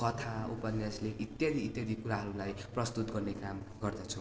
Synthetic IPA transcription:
kʌt̪ʰaupʌnjasleʔit̪jʌd̪iːt̪jʌd̪ikuɾaɦʌɾulajprʌst̪ut̪̚ɡʌrnekam | ɡʌrd̪ʌt͡sʰu

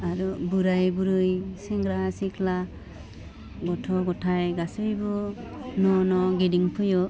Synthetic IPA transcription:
aɾubuɾajbuɾɯjsɛŋɡɾasikʰla | ɡɔtʰɔɡɔtʰajɡasɯjbunɔnɔɡediŋpʰɯjɔ

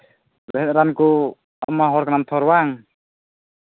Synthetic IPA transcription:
bɛɦɛt̪̚ɾanku | a̰maɦɔɾkanamt̪ʰɔɾwaŋ

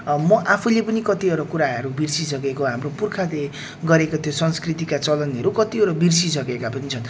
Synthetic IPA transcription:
mʌʔapʰulepʌnikʌt̪iʌɾʌkuɾaɦʌɾubirsisʌɡekoɦamropurkʰad̪e | ɡʌɾekot̪ʰjosʌnskrit̪ikat͡sʌlʌnɦʌɾukʌt̪iʌɾʌbirsisʌɡekapʌnit͡sʰʌn

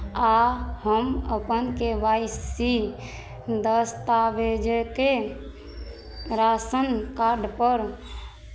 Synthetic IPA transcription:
ahəməpənkebaisi | d̪əst̪abed͡ʒeke | ɾasənkaɾɖpəɾ

